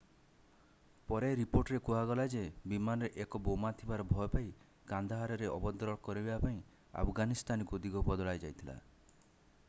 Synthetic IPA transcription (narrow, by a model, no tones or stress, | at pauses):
pɔɾeɾipoɾʈɔɾekuɦaɡɔlad͡ʒebimanɔɾeʔekɔbomat̪ʰibaɾɔbʱɔjɔpai | kand̪ʱaɦaɾɔɾeʔɔbɔd̪ʱɾɔɽ̃kɔɾibebapaĩ | a̰pʰɡanist̪anɔkud̪iɡɔpɔd̪ɔɭajd͡ʒajt̪ʰila̰